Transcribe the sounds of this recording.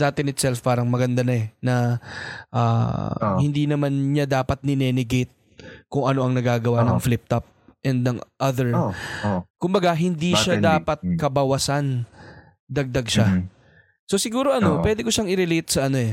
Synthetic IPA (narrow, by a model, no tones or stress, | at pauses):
d̪aːt̪ɪnɪt̪sɛlfpaːɾɐŋmɐɡɐnd̪anɐɛnɐ | ʔa̰ːhɪnd̪iːnɐmanɲad̪aːpɐt̪̚nɪnɛnɪɡejt̪̚ | kʊŋʔɐno̞ʔɐŋnɐɡaːɡɐwanɐŋflɪp̚t̪ɐp̚ʔɛnd̪̚nɐŋʔɐðɛɹ | kʊmbɐɡaɦɪnd̪iʃad̪aːpɐt̪̚kɐbɐwɐsan | d̪ɐɡ̚d̪ɐɡʃa | so̞sɪɡuːɾo̞ʔɐno̞wɛːd̪ɪkoʃaŋɪɾɛlejt̪̚sɐʔɐno̞ɛ